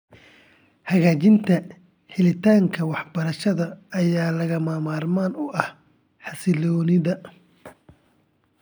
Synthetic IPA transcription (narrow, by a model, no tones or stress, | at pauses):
hɐɣaːt͡ʃɪnt̪ʰɐ | ħɪlɪt̪ʰaːŋkʰɐwɑħbɐɾɐʃɐðɐːjaːlɐɣɐmaːmaːrmaːnʊʔɐh | ħɑsɪlɔːnɪðɐ